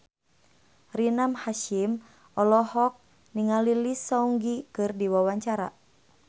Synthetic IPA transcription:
rinamhaʃim | ɔlɔhɔk̚ | niŋalilisɔuŋɡikɨrdiwawaɲt͡ʃaɾa

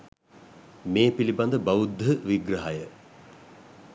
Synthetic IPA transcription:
meːpiliband̪əbaud̪ʱəʋiɡrɐɦajə

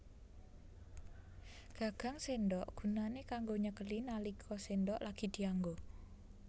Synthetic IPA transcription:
ɡ̥a̤ɡ̥a̤ŋsendɔʔɡ̥ṳnanekaŋɡoɲəkəlinalikʰɔsendɔʔlaɡ̥i̤d̪̥i̤aŋɡo

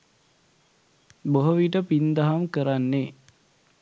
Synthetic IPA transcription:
boɦoʋiʈ̬əpind̪aɦamkəɾanːe

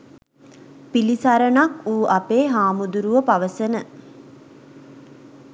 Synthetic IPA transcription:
pilisaɾənakuːapeːɦaːmud̪uɾuʋəpaʋəsənə

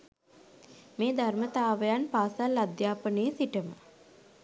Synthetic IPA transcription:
meːd̪ʱarmət̪aːʋəjanpaːsalːad̪jaːpənejəsiʈəmə̰

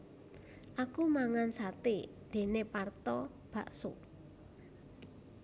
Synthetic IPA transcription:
ʔakumaŋansat̪ed̪̥e̤nepart̪ɔ | b̥a̤ʔso̰

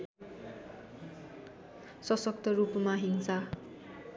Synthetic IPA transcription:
sʌsʌk̚t̪ʌrupmaɦinsa

